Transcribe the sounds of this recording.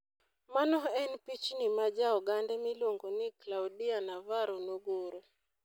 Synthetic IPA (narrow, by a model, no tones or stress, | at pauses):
manɔɛnpit͡ʃnimad͡ʒaɔɡandɛmiloŋɡonɪklawdianavaɾonoɡoɾo